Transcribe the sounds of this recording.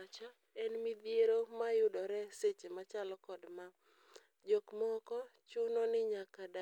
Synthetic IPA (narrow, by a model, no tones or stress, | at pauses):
t͡ʃa | ɛnmid̪jeɾomajʊdɔɾɛset͡ʃemat͡ʃalɔkɔdma | d͡ʒokmɔkɔt͡ʃʊnɔnɪɲakada